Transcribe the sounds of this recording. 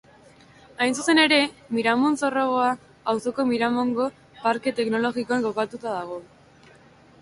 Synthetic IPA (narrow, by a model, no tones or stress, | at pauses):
ajnsuse̞ne̞ɾe̞miɾamunso̞roɣ̞o̞a | awso̞ko̞miɾamo̞ŋɡo̞ | paɾke̞t̪e̞kno̞lo̞ɣikoaŋɡo̞kat̪ut̪að̞aɣ̞o̞